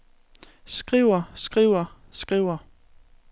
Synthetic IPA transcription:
sɡ̥ʁiʊ̰ɐsɡ̥ʁiʊ̰ɐsɡ̥ʁiʊ̰ɐ

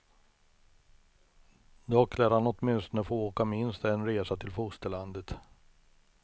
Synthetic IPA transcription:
d̪ɔkʰlaɾhanɔt̪mɪnst̪ɔnəfoːoːkamɪnst̪ɛnɾeːsat̪ʰɪlfʊst̪əland̪ət̪

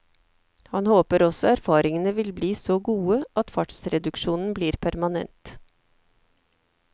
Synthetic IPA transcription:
hɑnhoːpəɾɔsɔæɾfɑːɾɪŋənəʋɪlbliːsoːɡuːəʔɑt̪fɑʈsɾɛd̪ʉkʃuːnn̩bliːɾpʰæɾmɑnɛ̰nt̪

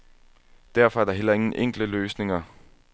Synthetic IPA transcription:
d̥æɐfɒ̽æɐd̥ɑ̈ɦel̰ɐe̝ŋn̩ʔeŋ̰ɡ̥ləløːsne̝ŋɐ

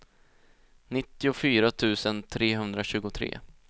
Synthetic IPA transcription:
nɪt̪ːɪʊfyːɾat̪ʰʉ̟ːsənt̪ʰɾeːɦɵnd̪ɾaɕʉ̟ːɡʊt̪ʰɾḛː

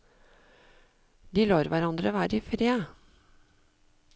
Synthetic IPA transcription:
d̪iːloːɾʋæɾɑnd̪ɾəʋæːɾɪfɾeː

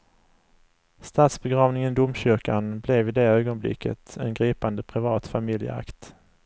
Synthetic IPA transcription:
st̪ɑːt̪sbɛɡɾɑːvnɪŋənd̪ʊmɕʏɾkanblɛvɪd̪ɛøːɡɔnblɪ̰kʰːə̰t̪ʰɛ̰nɡɾiːpand̪əpʰɾɪvɑːt̪famɪljə̰a̰kt̪

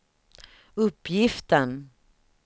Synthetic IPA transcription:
ɵpjɪft̪ən

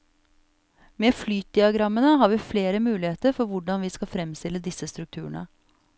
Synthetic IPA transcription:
meːflyːt̪̚d̪ɪɑɡɾɑmːənəɦɑːɾʋiːfleːɾəmʉːlɪheːt̪əɾfɔɾʋʊɖɑnʋiːskɑfɾɛmst̪ɪlːəd̪ɪsəst̪ɾʉk̚t̪ʰʉːəɳə̰

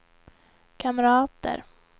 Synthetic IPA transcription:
kʰamɾɑːt̪ə̰ɾ

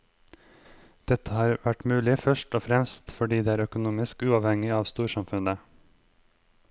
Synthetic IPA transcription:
d̪̥ɛt̪ʰəhɑːɾʋæʈmʉːlɪfœʃʈoːfɾɛmst̪fɔɖiːd̪eːæːɾœkʊnuːmɪskʉːɑːʋhɛŋɪɑːʋst̪uːɾʃɑmfʉnə

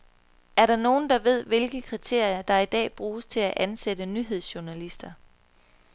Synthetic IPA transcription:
æɐɾ̥ɑ̈no̝ːn̩d̥ɑ̈ʋe̝ð̞̰ˠʋe̝lɡ̥əkʰʁit͡sʰe̝ɐ̰jɐd̥ɑ̈id̥ɛ̰ːb̥ʁuːst͡sʰe̝læʔænsed̥ənyɦe̝ð̞̰ˠsɕuɐnælisd̥ɐ

